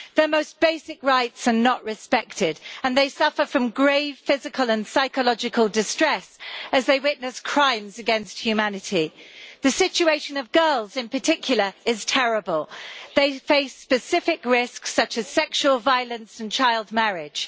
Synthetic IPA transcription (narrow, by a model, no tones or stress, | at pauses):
ðə˞moʊsb̥eɪsɪkɹaɪtsə˞nəʔɹɨspɛk̚tʰɪdə̃nðeɪsʌfə˞fɹʌ̃mɡɹeɪv̥fɪzɨkʰəlˠə̃nsaɪkəlɒd͡ʒɨkʰəlˠdɨstɹ̥ɛsɨzðeɪwɪtⁿnɨskʰɹ̥ãɪ̃mzɨɡɛ̃nst̚hjʉmænɨtʰiðɨsɪt͡ʃʉeɪʃɨ̃nʌvɡɜ˞lˠzɪ̃npʰətʰɪkʰjl̩ˠə˞ɪz̥tʰɛɹəbəlˠðeɪfeɪspɨsɪfɪkɹɪsksʌt͡ʃɨz̥sɛkʃuəlˠvaɪəlˠə̃nsə̃n̩t͡ʃʰaɪlˠd̚mɛɹɪd̥ʒ̥